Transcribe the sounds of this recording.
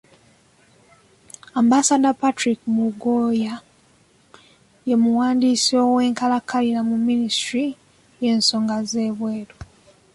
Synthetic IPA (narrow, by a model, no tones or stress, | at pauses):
ambasadapatɾikmuɡoja | je̞muwaːndisowe̞ːŋkalakalinamumːinistɾi | je̞nso̞ːŋɡaze̞ːβwe̞ːɾo